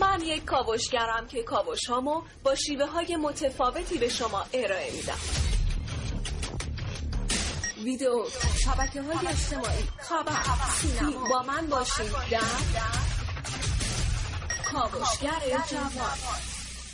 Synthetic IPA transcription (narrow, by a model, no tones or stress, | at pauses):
mænje̞cʰkɒːvoʃɟæɾæmcʰe̞kʰɒːvo̞ʃhɒːmo | b̥ɒːʃiːve̞ɦɒːje̞mo̞t̪ʰe̞fɒːve̞t̪ʰiːbe̞ʃomɒːʔe̞ɾɒːe̞miːd̪æ̰m | vid̪eoʃæbæcʰeɦɒːjeed͡ʒt̪emɒːiːxæbæɾʃibɒːmænbɒːʃid̪æ | kʰɒːvoʃɡæɾed͡ʒæɔ